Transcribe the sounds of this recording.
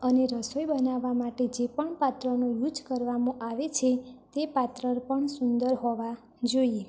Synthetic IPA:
əneɾəsojbənaʋːamaʈed͡ʒepəɳpat̪ɾənojud͡ʒkəɾʋamõʔaʋet͡ʃʰet̪epat̪ɾəɾpəɳsund̪əɾɦɔʋa | d͡ʒoie

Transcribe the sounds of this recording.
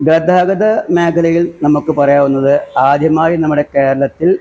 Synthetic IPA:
ɡɐd̪ʱaːɡɐd̪ɐmeːkʰɐlɐjilnɐmukːɨpɐrɐjaːʋunːɐðɨaːd̪ʱjɐmaːjinɐmːuɽe̞ke̞ːɾɐɭɐt̪ːil

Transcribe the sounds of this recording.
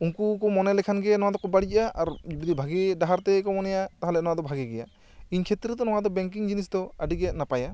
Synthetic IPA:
uŋkukɔmɔnɛlɛkʰanɡɛnɔwad̪ɔkɔbaɽic̚aʔa̰ɾd͡ʒbid̪ibʱaɡiɖaɦaɾt̪ɛkɔmɔnɛjat̪aɦalɛnɔwad̪ɔbʱaɡɛɡɛja̰ | iɲkʰɛt̪ɾɛd̪ɔnɔwad̪ɔbɛŋk̬iŋd͡ʒinis̬d̪ɔaɖiɡɛnapaja

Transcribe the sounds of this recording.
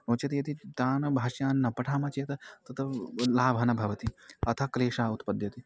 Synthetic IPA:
noːt͡ʃɐt̪ijɐt̪it̪aːnɐbʱaːʃjaːnːɐpɐʈʰaːmɐt͡ʃeːt̪ɐt̪ɐt̪ʰɐlaːbʱɐnɐbʱɐʋɐt̪iɐt̪ʰɐkleːʂaːut̪pɐd̪jɐt̪i

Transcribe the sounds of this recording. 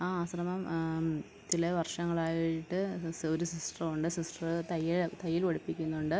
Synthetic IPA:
aːaːsrɐmɐm | t͡ɕilɐʋɐrʂɐŋːɐɭaːjiʈːɨoɾusisʈrɐmuɳɖɨsisʈrɨt̪ɐjːilt̪ɐjːiloɽipːikʲːunːuɳɖɨ

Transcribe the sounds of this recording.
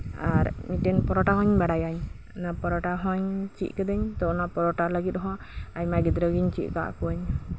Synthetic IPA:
aɾmiʈɛnpɔɾɔʈaɦɔɲbaɽajaɲ | napɔɾɔʈaɦɔɲt͡ʃḭʔ̪̚kɛd̪ɛɲt̪ɔʔnapɔɾɔʈaləɡit̪̚ˀɦɔ̃ | ajmaɡid̪ɾɔɡiɲt͡ʃiʔ̪̚ka̰ʔkuaɲ

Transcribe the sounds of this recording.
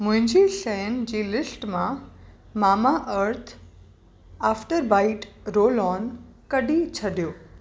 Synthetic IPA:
mʊ̃ɦɪ̃ɲd͡ʑisɛjənd͡ʑiːlɪsʈmã | maːmaʔəɾt̪ʰ | aːfʈəɾbaːɪʈɾoːlɔːnkɐɗit͡ɕʰɐɖijoː

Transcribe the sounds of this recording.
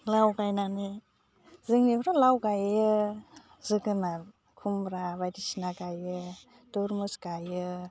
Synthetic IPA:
lawɡajnanɯ | zɯŋnipʰɾalawɡajɯ | zɯɡɯna | kʰumbɾabajdisinaɡajɯ | dɔɾmɯsɡajɯ

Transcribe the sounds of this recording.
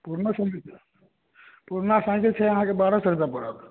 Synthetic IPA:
puɾnəsãk | puɾnasãɪkilt͡ʃʰɛəɦãkebaɾasəɾd̪apəɽək

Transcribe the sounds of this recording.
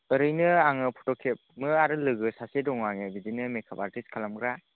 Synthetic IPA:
ɯɾɯjnɯaŋɯpʰɔtɔkʰep̚mɯaɾɯlɯɡɯsasedɔŋaŋɯbizinɯmekʰaba̰ɾtiskʰalamɡɾa

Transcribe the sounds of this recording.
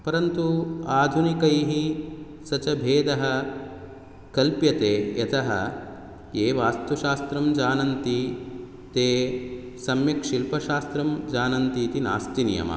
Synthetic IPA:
pɐɾɐnt̪uaːd̪ʱunikɐjɦi | sɐt͡ʃɐbʱeːd̪ɐɦɐ | kɐlpjɐt̪eːet̪ʰɐɦɐ̰ | eːʋaːst̪uʃaːst̪ɾɐmd͡ʒaːnɐnt̪i | t̪eːsɐmjɐkʂilpɐʃaːst̪ɾɐmd͡ʒaːnɐnt̪iːt̪ina̰ːst̪inijɐ̰mɐ̰

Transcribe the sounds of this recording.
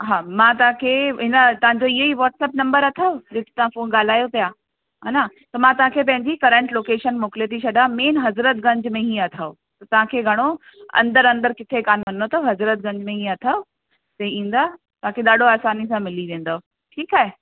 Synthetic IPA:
ɦaːmãːt̪ɐʋãkʰeːɦɪnət̪ɐʋãɲ̆d͡ʑoɪɦoiʋɔːʈsɛːp̚nɐ̃mbəɾɐt̪ʰaːod͡ʑeːt̪ʰe̥t̪ɐʋ̤ãfoːnɠaːl̤aːjopijaː | ɦaːnat̪ɐmãt̪ɐʋãkʰeːpɐ̃ɦɪ̃ɲd͡ʑikɐɾə̃ɳʈloːkeːʃənmoːkɪlet̪ʰit͡ɕʰɐɗaːmeːnɦɐzɾət̪̚ɡɐ̃ɲd͡ʑmẽɦĩːɐt̪ʰaːo | t̪ɐt̪ɐʋ̤ãkʰeːɡʱɐɽ̃o | ɐ̰̃nd̪əɾɐ̃nd̪əɾkɪt̪ʰekaːnɐnot̪ʰoɦɐzɾət̪̚ɡɐ̃ɲd͡ʑmẽɦĩːɐt̪ʰao | sɐĩːn̆d̪aː | t̪ɐʋ̤ãkʰeɗaːɖʱoaːsaːnis̬ãmɪliʋẽːn̆d̪aoo | ʈʰiːkaːɦe

